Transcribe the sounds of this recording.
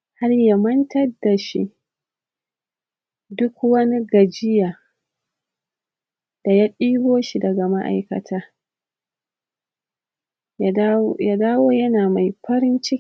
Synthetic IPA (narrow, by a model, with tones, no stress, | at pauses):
ha˦rja˦mɐ˦ntɐ˦rda˨ʃḭ˦ | dʊ˦kwɐ˦ni˦ɡɐ˨d͡ʒɪ˦jaː˨ | d̥a˨ja˦ɗiː˦boː˦ʃi˨dɐ˨ɡa˨ma˦ʔa̰˨jkɐ̰˨tʰaː˦ | jaː˦daː˦woː˦jɐ˦naː˨ma˨jɸɐ˦ɾɪ˦nt͡ʃɪ˦